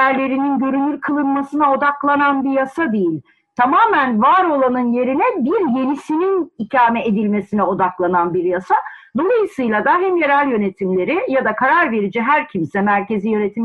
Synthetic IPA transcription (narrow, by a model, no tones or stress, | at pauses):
æɾlʲe̞ɾininɟø̞ɾynylʲkʰɯlˠɯnmasɯnao̞d̪aklˠananbijasad̪ejilʲ | t̪ʰamaːmænvaɾo̞lˠanɯnje̞ɾinɛbiɾje̞nisininicʰaːmɛed̪ilʲme̞sinɛo̞d̪aklˠananbiɾjasa | d̪o̞lˠajɯsɯjlˠad̪aɦɛmje̞ɾælʲjø̞ne̞t̪ʰimlʲe̞ɾijad̪akʰaɾaɾve̞ɾid͡ʒiɦæɾcʰimsɛmæɾce̞zijø̞ne̞t̪ʰim